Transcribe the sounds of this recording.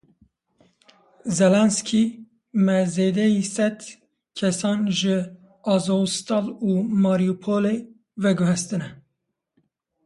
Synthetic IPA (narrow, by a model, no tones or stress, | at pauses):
zɛlɛnskʰi | mɛzeːd̪ɛjisɛd̪ | kʰɛsɑːnʒɨ | ɑzost̪ɑluːmɑːɾijupʰole | vɛɡʊɦɛst̪ɨnɛ